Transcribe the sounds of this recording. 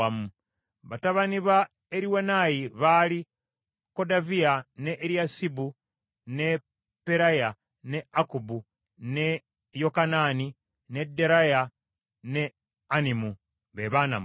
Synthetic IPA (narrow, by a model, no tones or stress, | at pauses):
amu | βataβaniβa | eɾiwenajiβali | ko̞davianeʔːɾjasibu | ne̞ | peɾaja | neakubu | ne | jokanani | ne̞de̞ɾaja | ne | animu | βeβaːna̰m